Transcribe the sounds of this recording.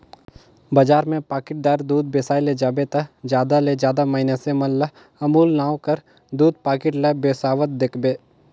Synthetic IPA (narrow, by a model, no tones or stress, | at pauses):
bɐd͡ʒaːɾmẽpaːkɪʈ̚d̪aːɾd̪uːd̪̚beːsaːiled͡ʒaːbet̪ɐd͡ʒjaːd̪aled͡ʒjaːd̪amɐɪnasemɐnlɐ | ɐmuːlnaːwkəɾ | d̪uːd̪̚paːkɪʈlɐbeːsaːʋət̪̚d̪ekʰbeː